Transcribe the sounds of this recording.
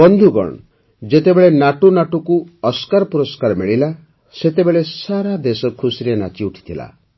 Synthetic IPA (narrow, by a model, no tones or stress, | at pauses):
bɔnd̪ʱuɡɔ̰ɽ̃ɔ | d͡ʒet̪ebeɭenaʈunaʈukuɔskaɾɔpuɾɔskaɾɔmeɭila | set̪ebeɭesaɾad̪esɔkʰusiɾena̰t͡ʃiuʈʰi̥t̪ʰila̰